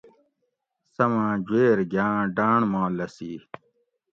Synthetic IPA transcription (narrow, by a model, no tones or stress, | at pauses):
sɐmãːd͡ʑweːɾɡjãːɖaːɳmãːlɐsiː